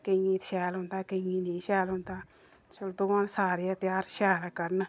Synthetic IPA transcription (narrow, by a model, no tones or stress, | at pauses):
kə̃ĩːt̪ʃɛːlɦʊ̃nd̪aːkəjĩːnĩːʃɛːlɦʊ̃nd̪aː | t͡ʃʊlbəɡaːnsaːɾejaːt̪jaːɾʃɛːlːkəɾn